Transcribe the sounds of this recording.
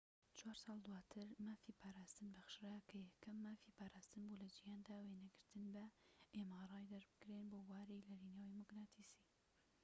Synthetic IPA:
t͡ʃʰwaːɾsɑːlˠd̪waːt̪ʰɨɾmaːfiːpʰaːɾaːst̪ɨnbɐxʃɾakʰɐjɛkʰːɐmːaːfiːpʰaːɾaːst̪ɨnbulɐd͡ʒijaːnd̪aːweːnɐɡɨɾt̪ɨnbɐʔeːmaɾɑːjd̪ɐɾbɨɡɾeːnboːwaːɾiːlɐɾiːnewimʊɡnaːt̪ʰisiː

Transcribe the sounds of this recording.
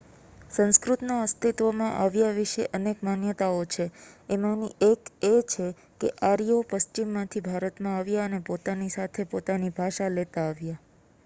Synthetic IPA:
sə̃ñskɾut̪noəst̪ʰit̪ʋomãʔaʋjaʋiʃeʔənekmanjət̪aot͡ʃʰeemãnieket͡ʃʰe | keʔaɾiopəst͡ʃimːãt̪ʰibʱaɾət̪mãaʋjaənepot̪anisat̪ʰepot̪anibʱaʃalet̪aːʋja

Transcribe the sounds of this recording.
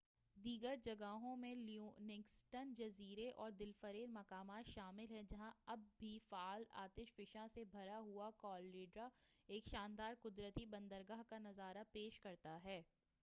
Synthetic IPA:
d̪iːɡəɾd͡ʒɐɡaɦõmẽluːnɪksʈənd͡ʒɐziːɾeʔɔːɾd̪ɪlfəɾeːɾmɐkaːmaːt̪ʃaːmɪlɦɛ̃d͡ʒɐɦãɐbːʱifaːla̰ːt̪ɪʃfɪʃãsebʱɐɾaɦuakɔːlːeːɖɾaeːkʃaːnd̪aːɾkʊd̪ɾət̪ibɐ̃nd̪əɾɡaːɦkanɐzaːɾapeːʃkɐɾt̪aɦɛː

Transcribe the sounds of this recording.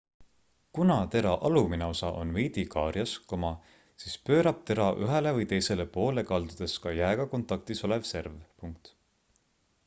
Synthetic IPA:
kunɑt̪e̞ɾɑʔɑlumineo̞sɑʔo̞̰nvijd̪ikɑːrjɑskomɑ | siːspø̞ːɾɑb̥̚t̪e̞ɾɑʔyɦelevɯjt̪e̞jse̞le̞po̞ːle̞kɑld̪ud̪̥e̞skɑjæeɡ̥ɑko̞nt̪ːˑɑk̚t̪iso̞le̞vse̞rvpuŋk̚t̪

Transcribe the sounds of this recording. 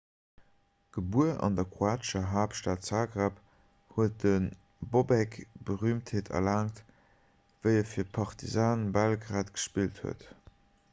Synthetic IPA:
ɡ̥əbuəʔɑ̰ndɐkχuaːtʃɐɦaːptʃtaːtsaːɡʁap | huət̚dən | bobɛkb̥əʁyːmtheːtʰɐ̰laːŋt | v̥əɪəfiːɐpʰɑʁtʰizaːnbælɡʁaːtɡ̥ə̥ʃpilthṵət

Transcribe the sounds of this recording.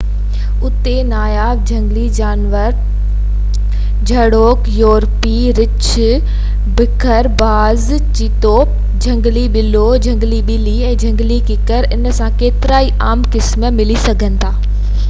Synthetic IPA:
ʊt̪enaːjaːʋd͡ʑʱɐ̃ŋɡlid͡ʑaːnʋəɾ | d͡ʑʱɐɽoːkjoːɾpi | ɾɪt͡ɕʰ | bɪkʰəɾbaːz | t͡ɕit̪oː | d͡ʑʱɐ̃ŋɡliɓɪlod͡ʑʱɐ̃ŋɡliɓɪliɛ̃ːd͡ʑʱɐ̃ŋɡlikɪkəɾɪnəsãkeːt̪ɪɾaːiʔaːmkɪsmə̆mɪlisɐɡʱə̃nɪ̆t̪ʰaː

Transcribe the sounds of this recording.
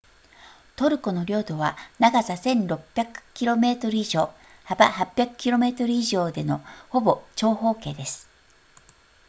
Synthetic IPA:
t̪o̞ɾɯ̟ko̞no̞ɾʲo̞ːt̪o̞βa̰naɡazasẽ̞nɾo̞pʲjakɯ̟̥kʲiɾo̞me̞ːt̪o̞ɾɯ̟iʑo̞ː | habahapʲjakɯ̟̥kʲiɾo̞me̞ːt̪o̞ɾɯ̟iʑo̞ːd̪e̞no̞ho̞bo̞t͡ɕo̞ːɦo̞ːke̞ːd̪e̞sɨ̥

